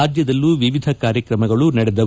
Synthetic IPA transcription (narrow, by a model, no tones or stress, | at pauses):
aːd̪jɐd̪ɐlːuʋiʋid̪ʱɐkaːɾjɐkɾɐmɐɡɐɭunɐɽɛd̪ɐ